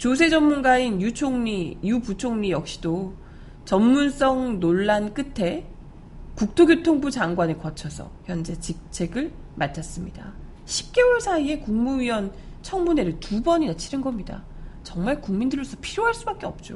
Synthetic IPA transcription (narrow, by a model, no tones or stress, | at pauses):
t͡ɕos̬ʰe̞d͡ʑʌmːunɡainjut͡ɕʰoŋɲijuput͡ɕʰoŋɲijʌk̚ɕ͈ido | t͡ɕʌmmuns͈ʌŋnoɭːank͈ɯtʰe̞ | kuk̚tʰoɡjotʰoŋbud͡ʑaŋɡwanɯɭkʌt͡ɕʰʌsʰʌ̰çjʌnd͡ʑe̞t͡ɕik̚t͡ɕʰe̞ɡɯɭ | mat͡ɕʰas͈ɯmɲida̰ | ɕʰi̥p̚k͈e̞oɭsʰaie̞kuŋmuɥiwʌnt͡ɕʰʌŋmune̞ɾɯɭtubʌɲinat͡ɕʰinɯnɡʌmɲida̰ | t͡ɕʌŋmaɭkuŋmindɯɾɭːos͈ʰʌ̥pʰiɾjoɦaɭs͈ubak͈̚e̞ʌp̚t͡ɕ͈o̰